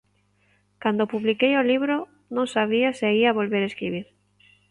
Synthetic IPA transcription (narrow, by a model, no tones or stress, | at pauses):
kand̪opuβlikejoliβɾo | nõŋsaβ̞iasɪaiaβolβeɾeskɾiβ̞iɾ